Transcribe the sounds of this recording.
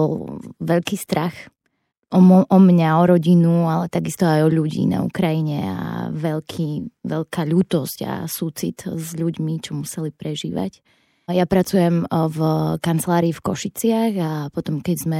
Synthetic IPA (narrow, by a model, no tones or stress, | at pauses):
ɔlʋɛʎkiːst̪ɾax | ʔɔmʔɔmɲaɔɾɔɟinualɛt̪aɡist̪ɔajɔʎuɟḭːna̰ṵkɾajiɲɛa̰ʋɛʎkʰiːʋɛʎkʰaːʎuːt̪ɔsca̰sut͡sḭt̪zʎuɟmit͡ʃɔmusɛlipɾɛʒḭːʋa̰c | japɾat͡sujɛmvkant͡slaːɾiːfkɔʃit͡sɪaɣapɔt̪ɔmkɛɟzmɛ